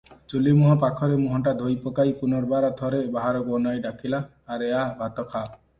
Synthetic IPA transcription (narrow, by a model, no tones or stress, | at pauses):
t͡ʃulimɔɦɔpakʰɔɾemuɦɔɳʈad̪ʱojpɔkajpunɔɾbaɾat̪ʰɔɾebaɦaɾɔɡɔnɔjɖakʰilaː | ɾeabʱat̪ɔkʰa